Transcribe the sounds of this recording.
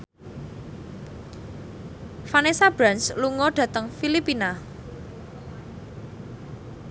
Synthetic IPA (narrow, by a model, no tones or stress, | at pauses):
fanesab̥ɾansluŋɔɖ̥ä̤t̪əŋfilipina